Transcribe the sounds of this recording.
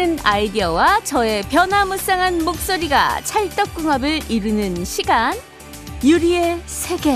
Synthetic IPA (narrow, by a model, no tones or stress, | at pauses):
ɯnaidiʌwat͡ɕʌe̞pjʌnɦamɯs͈aŋɦanmok̚s͈oɾiɡa̰t͡ɕʰaɭt͈ʌk̚k͈uŋɦabɯɭiɾɯnɯnɕʰiɡan | juɾiesʰe̞ɡe̞